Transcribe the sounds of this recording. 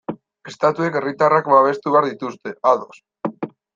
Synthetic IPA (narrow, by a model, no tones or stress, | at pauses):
e̞st̪at̪ue̞ke̞rit̪arakbaβ̞e̞st̪uβeaɾðit̪ust̪e̞aðo̞s